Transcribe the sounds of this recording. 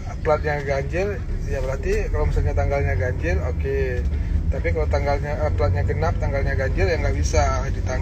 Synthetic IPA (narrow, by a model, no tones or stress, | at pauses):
pəlat̪̚ɲaɡaɲd͡ʒɪr | jabəɾat̪ikalawmisalɲat̪aŋɡalɲaɡaɲd͡ʒɪloke | t̪apikalat̪aŋɡalɲap̪əlat̪̚ɲaɡənap̚t̪aŋɡalɲaɡaɲd͡ʒɪrjaŋɡaʔbisa | dit̪aŋ